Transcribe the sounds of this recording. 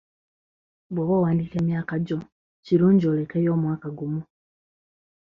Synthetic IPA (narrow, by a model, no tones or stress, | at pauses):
bwoβowaːndikeːmjaːkaɟo | ciɾuːɲɟolekejoːmwaːkaɡumu